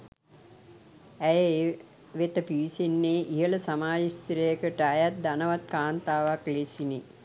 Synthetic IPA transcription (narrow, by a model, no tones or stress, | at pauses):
æjə | ʋet̪əpiʋisenːeːʔijələsamaːd͡ʒist̪iɾəjəkəʈəajat̪̚d̪anəʋat̪̚kaːnt̪aːʋaklesine